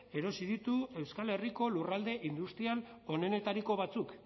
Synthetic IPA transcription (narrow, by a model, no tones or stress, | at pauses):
e̞ɾo̞sið̞it̪ue̞wskale̞riko̞lurald̪e̞ʔind̪ust̪ial | o̞ne̞ne̞t̪aɾiko̞β̞at͡suk